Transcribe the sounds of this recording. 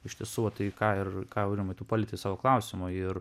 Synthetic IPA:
ɪʃʲt̪ʲiɛsuːʋɐt̪ɐɪkɑːɪrkɑːɾʲɪmɐɪt̪uːpɑːlʲɪt̪ʲɪsɑːʋoːklˠɑʊsʲɪmʊɪr

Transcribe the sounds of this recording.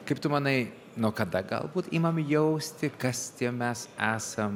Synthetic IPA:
kɐɪpt̪ʊmɐnɐɪ | nuɔkɐd̪ɐɡɐ̰lˠbuːt̪iːmɐmjɛʊsʲt̪ʲɪkɐst̪ʲiɛmʲɛsæːsɐm

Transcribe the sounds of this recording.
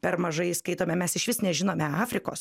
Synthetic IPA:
pʲɛrmɐʒɐɪskɐɪt̪oːmʲɛmʲɛsɪʃʋʲɪsnʲɛʒʲɪnoːmʲɛɑːfʲɾʲɪko̰ːs

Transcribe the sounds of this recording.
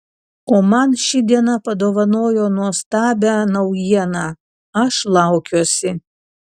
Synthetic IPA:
oːmɐnʃʲɪd̪ʲiɛnɐpɐd̪oːʋɐnoːjoːnuɔst̪ɑːbʲænɐʊjiɛnɑː | ɐʃlˠɑʊkʲuɔsʲɪ

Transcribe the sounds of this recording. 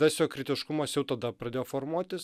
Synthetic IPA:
ɐsʲjoːkɾʲɪt̪ʲɪʃkʊmɐsjɛʊt̪ɐd̪ɐpɾɐd̪ʲeːjoːfoːɾmuɔt̪ʲɪs

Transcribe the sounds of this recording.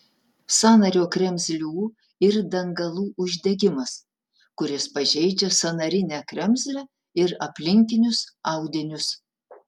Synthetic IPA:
sɑːnɐɾʲoːkɾʲɛmʲzʲlʲuː | ɪɾd̪ɐŋɡɐlˠuːʔʊʒʲd̪ʲɛɡʲɪmɐs | kʊɾʲɪspɐʒʲɛɪd͡ʒʲɛsɐnɐɾʲɪnʲæːkɾʲɛmʲzʲlʲɛ | ɪɾɐpʲlʲɪŋʲkʲɪnʲʊsɐʊd̪ʲɪnʲʊs

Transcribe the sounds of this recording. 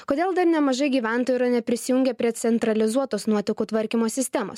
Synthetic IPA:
koːd̪ʲeːlˠd̪ɐɾnʲɛmɐʒɐɪɡʲiːʋʲæˑnt̪oːjuɾɐnʲɛpʲɾʲɪsʲɪjʊŋʲɡʲɛpʲɾʲiɛt̪sʲɛnt̪ɾɐlʲɪzuɔt̪oːsnuɔt̪ʲɪkuːt̪ʋɐɾʲkʲimoːsʲɪsʲt̪ʲɛːmo̰ːs

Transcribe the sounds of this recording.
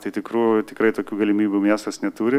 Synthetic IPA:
t̪ɐɪt̪ʲɪkɾuːjʊt̪ʲɪkɾɐɪt̪oːkʲuːɡɐlʲɪmʲiːbʲumʲiɛst̪ɐsnʲɛt̪uːɾʲɪ

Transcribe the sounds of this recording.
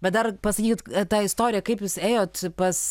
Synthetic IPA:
bʲɛt̪d̪ɐrpɐsɐkʲiːkʲɪt̪t̪ɑːɪst̪oːɾʲɪjɛkɐɪpjʊseːjoːt̪pɐs

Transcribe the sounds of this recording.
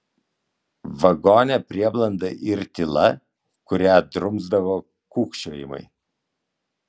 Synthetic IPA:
ʋɐɡoːnʲɛpʲɾʲiɛblˠɐnd̪ɐʔɪɾt̪ʲɪlˠɐ | kʊɾʲæˑd̪ɾʊmzd̪ɐʋoː | kuːkʃʲoːjɪ̰mɐ̰ɪ

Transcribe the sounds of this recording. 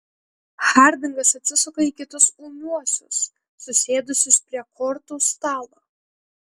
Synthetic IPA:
xɑˑɾʲd̪ʲɪŋɡɐsɐt̪ʲsʲɪsɐkoiːkʲɪt̪ʊsunuɔsʲʊ̰sː | ʊsʲeːd̪ʊsʲʊspʲɾʲiɛkʰɔɾt̪ust̪ɑːlˠoː

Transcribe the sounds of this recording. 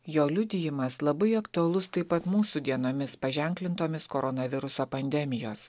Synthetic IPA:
joːlʲʊd̪ʲɪjɪmɐslˠɐbɐɪɐkt̪ʊɐlˠʊst̪ɐɪpɐt̪muːsuːd̪ʲiɛnoːmʲɪspɐʒʲɛˑŋʲklʲɪnt̪oːmʲɪskoɾɔnɐʋʲɪɾʊsoːpɐnʲd̪ʲɛmʲɪjoːs

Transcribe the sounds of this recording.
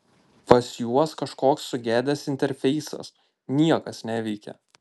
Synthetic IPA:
pɐsʲjuɔskɐʃkoːksːʊɡʲæːd̪ʲɛsɪnʲt̪ʲɛɾʲfʲɛɪsɐ̰s | nʲiɛkɐsnʲæːʋʲɛɪkʲɛ̰

